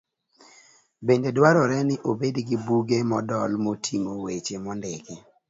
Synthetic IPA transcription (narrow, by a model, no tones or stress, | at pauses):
bendedwaɾɔɾɛnɪʔobedɡibuɡemɔdɔlmotʰiŋowet͡ʃemɔndɪɡi